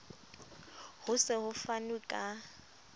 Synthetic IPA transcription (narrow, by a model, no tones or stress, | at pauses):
hʊsɪhʊfanukʼa